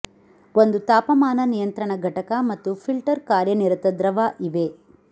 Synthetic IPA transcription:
ond̪ut̪aːpɐmaːnɐnijɐnt̪ɾɐɳɐɡʱɐʈɐkɐmɐt̪ːupʰilʈɐɾkaːɾjɐniɾɐt̪ɐd̪ɾɐʋaːʔiʋe

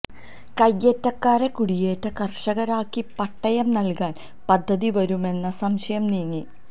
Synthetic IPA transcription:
kɐjːetːɐkːaːɾekuɽije̞ːtːɐkɐrʂɐɣɐɾaːkːipɐʈːɐjɐmnɐlkaːn | pɐd̪ʱːɐðiʋɐɾume̞nːɐsɐmɕɐjɐmniːŋːi

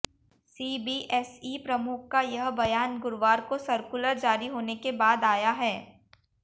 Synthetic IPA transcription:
siːbiːʔɛsiːpɾɐmʊkʰkajɐɦbɐjaːnɡʊɾʋaːɾkosɐɾkʊləɾd͡ʒaːɾiɦoːnekebaːd̪aːjaɦɛː

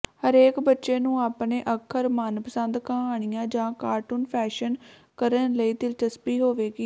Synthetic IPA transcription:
həɾeːkbətːʃeːnũːaːpɳeːʔəkʰəɾmənpəsənd̪kãːɦaːɳ̃ɪjãːd͡ʒãːkaːɾʈuːnpʰɛːʃən | kəɾənləiːt̪ɪlt͡ʃəspiːɦoːʋeːɡiː

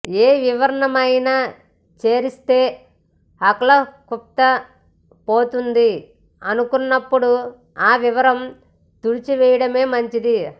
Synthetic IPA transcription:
eːʋiʋɐɾɐɳɐmɐjnaː | t͡ʃe̞ːɾist̪e̞ː | ɐklɐkupt̪ːɐ | poːt̪und̪i | ɐnukunːɐpːuɽu | aːʋiʋɐɾɐm | t̪uɽit͡ʃiʋɛjɐɽɐme̞ːmɐɲt͡ʃid̪i

